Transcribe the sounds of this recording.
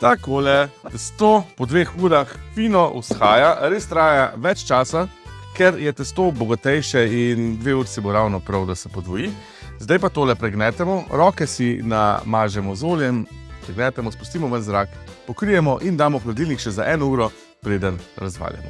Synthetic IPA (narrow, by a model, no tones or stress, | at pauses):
t̪akoːlɛt̪ɛst̪oːpɔd̪ʋeːxuːɾaxfinɔʔusxaːjaɾeːst̪ɾaːjaʋɛt͡ʃt͡ʃaːsakɛɾjɛt̪ɛst̪oːbɔɡat̪ɛjʃɛind̪ʋeuːɾsiboɾawnɔpɾawd̪asɛpɔd̪ʋɔji | zd̪ajpat̪oːlɛpɾɛɡnɛːt̪ɛmɔɾɔːkɛsina̰maːʒɛmɔzoːljɛmpɾɛɡnɛt̪ɛmɔspust̪iːmɔʋənzɾaːkpɔkɾijɛmɔʔind̪aːmɔplad̪iːlnikʃɛzaʔɛːnɔuːɾɔ | pɾeːd̪ənɾazʋa̰ːlja̰mɔ̰